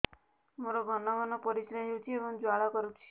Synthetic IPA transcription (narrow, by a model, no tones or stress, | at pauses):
moɾɔɡʱɔnɔɡɔnɔpɔɾisɾed͡ʒut͡ʃʰiebɔŋd͡ʒwaɭakɔɾut͡ʃʰi̥